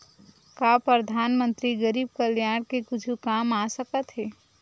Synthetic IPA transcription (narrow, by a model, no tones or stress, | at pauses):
kapɾəd̪ʱaːnmə̃nt̪ɾiɡəɾiːb̚kəljaːɽkekʊt͡ʃʰukaːmasəkət̪ɦeː